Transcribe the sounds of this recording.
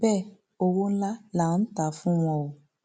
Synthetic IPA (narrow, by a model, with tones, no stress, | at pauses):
bɛ˦˨ | o˧wo˦n̩˦la˦la˨˦n̩˦ta˨˦fũ˦w̃ɔ̃˧wo˨